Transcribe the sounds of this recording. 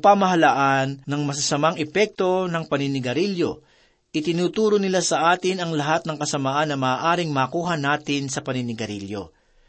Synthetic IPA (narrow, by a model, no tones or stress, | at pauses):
pamɐɦɐlaʔanːɐŋmɐs̬ɐsɐmaŋɛpɛk̚t̪o̞nɐŋpɐnɪnɪɡɐɾiljo | ʔɪt̪ɪnuːt̪uːɾonɪlasɐʔaːt̪ɪnɐŋlɐɦat̪̚nɐŋkɐsɐmaʔanːɐmɐːʔaːɾɪŋmaːkuːɦɐnaːt̪ɪnsɐpɐnɪnɪɡɐɾḭljo̰